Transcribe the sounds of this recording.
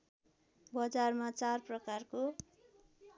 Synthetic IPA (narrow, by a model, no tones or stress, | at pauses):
bʌd͡zarmat͡sarprʌkarko